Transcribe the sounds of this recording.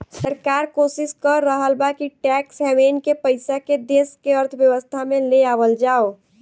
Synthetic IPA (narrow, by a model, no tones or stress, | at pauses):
səɾkaɾkosiskəɾːəɦəlbakiʈɛksɛmenkepəjsaked̪eskeəɾt̪ʰbjəʋəst̪ʰameleabəld͡ʒao